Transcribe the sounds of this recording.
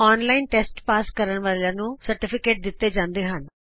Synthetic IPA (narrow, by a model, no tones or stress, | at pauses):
ɔːnlaːɪnʈɛːsʈpaːskəɾəɳʋaːlãːnũːsəɾʈɪpʰɪkeːʈ̚d̪ɪt̪ːeːd͡ʒãːnd̪eːɦən